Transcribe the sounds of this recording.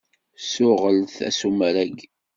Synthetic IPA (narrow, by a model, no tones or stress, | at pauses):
sʊʁəlθæ̰sumɾæɡ